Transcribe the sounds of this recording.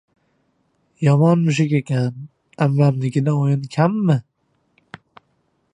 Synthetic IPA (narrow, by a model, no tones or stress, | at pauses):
jɒmɒnmʊʃ̬ɪkʲekʲʰan | amːamnɪkʲɪd̪aojɪnkʲʰamːɪ